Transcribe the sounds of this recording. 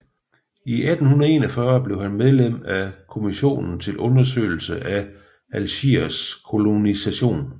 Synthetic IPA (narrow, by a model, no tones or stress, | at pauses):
iʔæd̥n̩hunð̩ˠe̝nɒfɶːɐb̥le̝ʊhænmeð̞ˠlem̰ækʰo̝miɕo̝̰ːnn̩t͡sʰe̝lʔɔ̽nɐs̬ø̰ɪl̩səʔæ | ælɕḭɐskʰo̝lo̝nisæɕo̝̰ːn